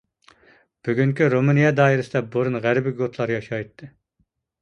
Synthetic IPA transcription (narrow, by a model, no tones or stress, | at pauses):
b̥yɡʲyŋkʲyɾomɨnijɑd̪ɑːiɾɨsɪd̪ɛboɾunʁæɾbɪɡot̪ʰlˠɑɾjɑʃɑjt̪ʰːɨ